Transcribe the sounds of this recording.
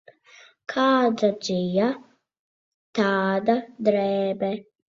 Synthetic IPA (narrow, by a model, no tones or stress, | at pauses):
kʰaːd̪ad͡ʒɪja | t̪aːd̪ad̪ɾɛːbɛ